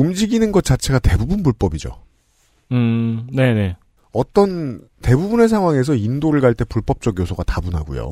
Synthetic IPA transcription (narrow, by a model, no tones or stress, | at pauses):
umd͡ʑiɡinɯnɡʌt̚t͡ɕ͈at͡ɕʰe̞ɡate̞bubɯnbuɭp͈ʌbid͡ʑo̰ | ɯne̞ne̞ | ʌt͈ʌn | te̞bubune̞s̬ʰaŋɦwaŋe̞s̬ʰʌindoɾɯɭɡaɭt͈e̞puɭp͈ʌp̚t͡ɕ͈ʌɡjosʰoɡatabunɦa̰ɡṵjo̰